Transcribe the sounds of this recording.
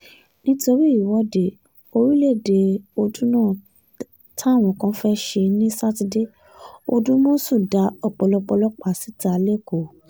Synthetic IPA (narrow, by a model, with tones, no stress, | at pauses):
nĩ˦to˧ɾi˦i˦˨wɔ˨˦de˨ | o˧ɾi˦le˦˨de˧o˧dũ˦nãː˦˨ | tʰa˦˨w̃ɔ̃˨kã˧˦fɛ˦ʃe˧nĩ˦sa˦ti˧de˦ | o˧dũ˦mõ˦sũ˦˨da˨˦ɔ˨k͡pɔ˧lɔ˧k͡pɔ˧lɔ˦k͡pa˦˨si˦ta˦a˨le˦˨ko˨